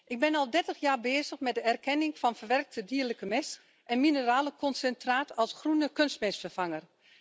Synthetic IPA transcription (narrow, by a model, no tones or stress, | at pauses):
ʔɪɡ̚bɪnɔlˠdɛrtəxjaːrbeːzəχmɛt̚dəɛrkɛnɪŋfɔnfərʋɛrk̚tʰədiːrləkəmɛs | ʔɛnminəraːləkʰɔnsɛntraːtʰɔlˠsχrunəkønstmɛsfərfaŋər